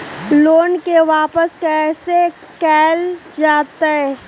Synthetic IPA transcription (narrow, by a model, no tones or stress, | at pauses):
loːnkeʋaːpəskɛːse | kɛːld͡ʒaːt̪aɦɛː